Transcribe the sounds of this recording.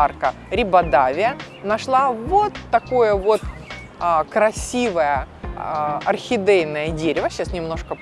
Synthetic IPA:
arkə | ɾʲɪbɐd̪avʲɪjə | nɐʂlˠavo̞t̪ːɐko̞jəvo̞t̪ | kɾɐsʲivəjə | ɐrxʲɪd̪ɛjnəjədʲeɾʲɪvəɕasnʲɪmno̞ʂkə

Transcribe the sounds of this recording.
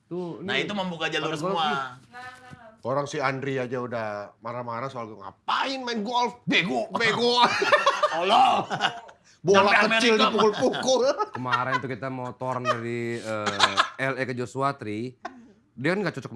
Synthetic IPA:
t̪unait̪uməmbukad͡ʒalursəmua | oɾaŋsiandɾiad͡ʒaudahmaɾamaɾasoalɡuŋa̰paɪnmainɡɔlfbeɡubeɡu | olɔ | bolakət͡ʃɪldipukʊlpukʊlkəmaɾɛnt̪ukit̪amot̪ɔrndaɾiəɛlɛkəd͡ʒosuat̪ɾi | diakanɡaʔt͡ʃɔt͡ʃɔk

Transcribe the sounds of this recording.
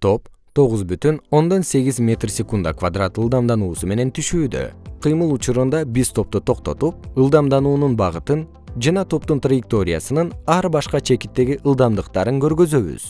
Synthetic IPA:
t̪ʰo̞pt̪ʰo̞ʁuzbyt̪yno̞nd̪o̞nse̞ɡʲizmʲe̞t̪rsʲekund̪a̰kvad̪rat̪ɯlˠd̪ɑmd̪ɑnuːsume̞ne̞nt̪ʰyʃyːd̪ø̰qʰɯjmɯlˠut͡ʃuɾund̪ɑbiz̥t̪ʰo̞p̚t̪ot̪ʰo̞qt̪o̞t̪up̚ɯlˠd̪ɑmd̪ɑnuːnunbɑʁɯt̪ɯn | d͡ʒɑnɑt̪ʰo̞p̚t̪unt̪rajɪk̚t̪o̞ɾʲḭja̰sɯnɯnɑɾbɑʃqɑt͡ʃʰe̞kit̪ːe̞ɡiʔɯlˠd̪ɑmd̪ɯqt̪ɑɾɯŋkø̞ɾɡø̞zø̞βy̰z̥

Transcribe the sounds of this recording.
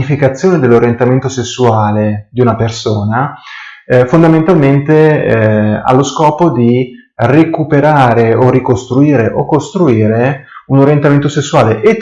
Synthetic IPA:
ifikat̪sːjoːned̪elːoɾjent̪ament̪osesːuaːled̪iunapersoːna | fond̪ament̪alment̪e | a̰lːoskɔːpod̪i | rekupeɾaːɾeorikost̪ɾuiːɾeʔokːost̪ɾuiːɾeunoɾjent̪ament̪osesːuaːleʔe

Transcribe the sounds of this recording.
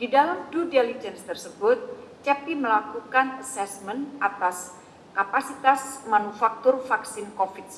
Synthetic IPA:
didalamdudɛlid͡ʒɛnst̪ərsəbʊt̪̚t͡ʃɛpiməlakukanəsɛsmənʔat̪as | kapasit̪asmanufak̚t̪ʊrfaksɪnkofit̪̚s

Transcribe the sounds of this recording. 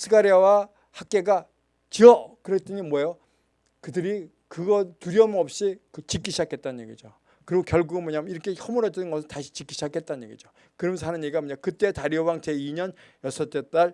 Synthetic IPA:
sʰɯkaɾiawa | hak̚k͈e̞ɡa | t͡ɕiʌkɯɾet͈ɯɲimwʌjo | kɯdɯɾi | kɯɡʌtuɾjʌmʌp̚ɕ͈ikɯt͡ɕik͈ːiɕʰid͡ʑakʰe̞t̚t͈anɲjḛɡid͡ʑo | kɯɾiɡokjʌɭɡuɡɯnmʌɲamiɾʌkʰe̞hʌmuɾʌtɯnɯnɡʌsʰɯɭtaɕʰi̥t͡ɕik͈iɕʰid͡ʑakʰet̚t͈annɲeɡid͡ʑo | kɯɾʌmʌns̬ʰanɯɲeɡamʌɲamkɯt͈e̞taɾiowaŋt͡ɕe̞iɲʌnjʌsʰʌt͈et͈aɭ

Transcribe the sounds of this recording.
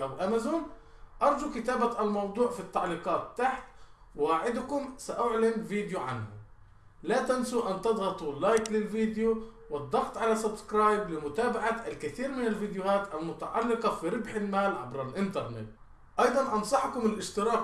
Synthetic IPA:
ʔawʔamazuːnʔɑɾˤd͡ʒukɪt̪aːbaʔalmɑwd̪ˤuːʕfit̪ːɑʕliːqɑːt̪ːaħt̪ | wwaːʕɪd̪kʊmsaʔʊʕlɪmviːd̪juʕa̰nhʊ | lat̪ansuʔant̪ɨd̪ˤɣɑt̪ˤulaːjklɪlviːd̪ju | wɪd̪ˤːɑɣt̪ˤʕalasabskɾɑːjblɪmʊt̪aːbaʕaalkɪθiːɾmɪnɪlviːd̪jʊhaːt̪ʔalmʊt̪aʕɑlːɪqɑfiɾɪbħɪlmaːlʕa̰bɾɑlʔɪnt̪ɑɾˤnɪ̰t̪ | ʔɑjd̪ˤɑnʔɑnsˤɑħkʊmɪlʔɪʃt̪ɪɾɑːk

